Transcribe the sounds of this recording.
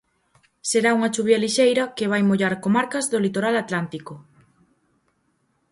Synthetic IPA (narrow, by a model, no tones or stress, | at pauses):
seɾauŋɐt͡ʃuβjɐliʃejɾɐkeβ̞ajmoʎaɾkomaɾkɐzðolit̪oɾalat̪lant̪iko